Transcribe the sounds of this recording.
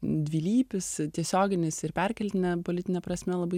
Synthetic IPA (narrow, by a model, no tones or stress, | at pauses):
d̪ʲʋʲiːlʲiːpʲɪst̪ʲiɛsʲoːɡʲɪnʲɪsɪɾpʲɛɾʲkʲɛlʲt̪ʲɪnʲɛpolʲɪt̪ʲɪnʲɛpɾɐsʲmʲɛlˠɐbɐɪ